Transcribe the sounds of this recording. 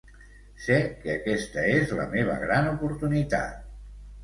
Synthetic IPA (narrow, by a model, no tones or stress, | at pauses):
sɛkːəəkɛst̪əezlə̰meβ̞ə̰ɣɾanupuɾt̪unit̪a̰t̪̚